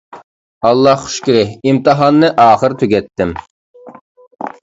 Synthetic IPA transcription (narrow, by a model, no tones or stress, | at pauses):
ɑlˠːɑhχʊ̥ʃkʲiɾɪhimt̪ɨɦɑnːɨʔɑːχəɾt̪ʰyɡʲɛt̪ʰːɪm